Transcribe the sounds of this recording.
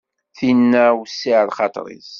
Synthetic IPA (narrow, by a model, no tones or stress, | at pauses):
θinːæwsːiʕlχɑt̪ˤɾḭz